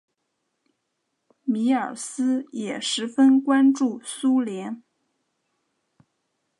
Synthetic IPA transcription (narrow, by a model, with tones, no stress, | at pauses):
mi˧˥ə˞˨˩sɹ̩˥jɛ˨˩ʂɻ̩˧˥fə˥nkwa˥nʈ͡ʂu˥˩su˥ljɛ˧˥n